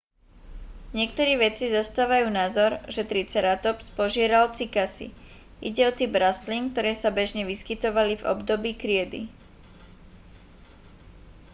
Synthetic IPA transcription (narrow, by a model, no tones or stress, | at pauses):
ɲɪɛk̚t̪ɔɾiːʋɛt͡sizɔst̪aːʋajuːnazɔɾʒɛt̪ɾit͡sɛɾat̪ɔpspɔʒɪɛɾalt͡sikasḭ | ʔḭɟɛɔt̪ibɾast̪liŋk̚t̪ɔɾɛːsabɛʒɲɛʋiskit̪ɔʋalivɔ̰bd̪ɔbiːkɾɪɛd̪ḭ